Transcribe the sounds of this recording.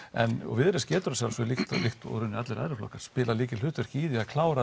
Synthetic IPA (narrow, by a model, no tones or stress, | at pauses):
ɛ̰nɔ̰ɣvɪðɾɪscɛːt̪ʏɾasawlasɔlɪxt̪lɪxt̪ɔ̰wɣɾʏnːɪat̪lɛɾa̰ðɾɪflɔ̰hkːaɾ̥spɪːlaliːcɪl̥ʏht̪vɛɾ̥ciːðiaðkʰlaːwɾa